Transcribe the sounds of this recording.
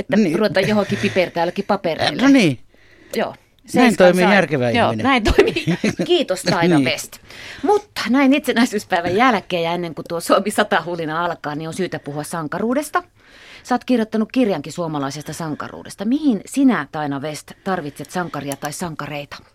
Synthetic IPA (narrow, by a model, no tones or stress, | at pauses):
et̪ːæruet̪ɑjjohokipipert̪æːlːækipɑperḛˑlːniː | jo̰ː | sneæintoimijærkeʋæijoːinnæint̪oimiːkiːt̪ost̪ɑinɑʋest̪mut̪ːɑ̥næinit̪senæisyːspæiʋæjjælkeːjɑenːeŋkut̪uosuomisɑt̪ɑhulineɑlkɑːnionsyːt̪æpuhuɑssɑŋkɑruːdest̪ɑ | sɑːt̪kirjot̪ːɑnukkirjɑŋkisuomɑlɑisest̪ɑsɑŋkɑ̰rṵːdḛst̪ɑmihinsinæt̪ɑinɑʋest̪t̪ɑrʋit̪set̪sɑŋkɑriɑt̪ɑissɑŋkɑreit̪ɑ̥